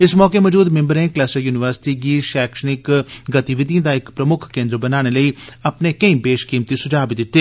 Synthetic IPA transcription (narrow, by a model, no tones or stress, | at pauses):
ɪsmɔːkeːmɔːd͡ʒuːd̪mɛ̃mbəɾnẽːklɛːsəjuːnɪʋəɾsɪ̥ʈiːɡiːʃɛːkʃənɪkɡət̪iʋɪt̪̬ijə̃ːd̪aːɪkpɾəmʊkʰkẽːnd̪ɾbənaːɽ̃eːləiːəpneːkəĩbeːʃkiːmt̪iːsʊd͡ʒaːbid̪ɪt̪ːeː